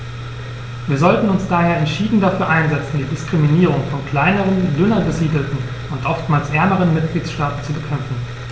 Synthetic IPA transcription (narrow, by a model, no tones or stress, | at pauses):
viːɐzɔltn̩ʊnsd̥aːheːɐɛntʃiːdn̩dafyːɐʔaɪnzɛt͡sn̩diːdɪskʁ̥iminiːʁ̞ʊŋfɔnkl̥aɪnəʁ̞əndʏnɐɡəziːdl̩tn̩ | ʔʊntʔɔftmaːlsʔɛɐməʁ̞ənmɪt̚ɡ̥liːtʃtaːtn̩t͡subəkʰɛmfn̩